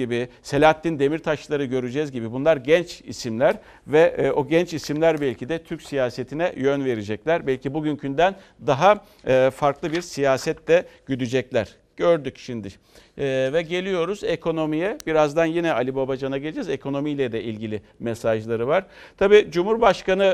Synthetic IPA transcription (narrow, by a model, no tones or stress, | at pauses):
ibise̞lʲat̪ːind̪e̞miɾt̪ʰaʃlˠaɾɯɟø̞ɾyd͡ʒɛzɟibibunlˠaɾɟɛnt͡ʃḭsimlʲæɾ | vɛo̞ɟɛnt͡ʃisimlʲæɾbɛlʲcʰid̪ɛt̪ʰyɾcʲsijaːse̞t̪ʰinɛjønve̞ɾid͡ʒɛclʲæɾbɛlʲcibuɟyncʰynd̪æn | d̪aɦa | ɯfaɾklˠɯbiɾsijaːsɛt̪ːɛɟ̥yd̪yd͡ʒɛclʲæɾ̥ | ɟ̥øɾd̪ycʃimnd̪ɪ | vɛɟe̞lʲijo̞ɾuzekʰo̞no̞mijɛbiɾazd̪anjinɛalʲibabad͡ʒanaɡɟeed͡ʒɛzekʰo̞no̞mijlʲɛd̪ɛilʲɟilʲi | mɛsaʒlˠaɾɯvaɾ̥t̪ʰabiːd͡ʒumhuɾbaʃkanɯ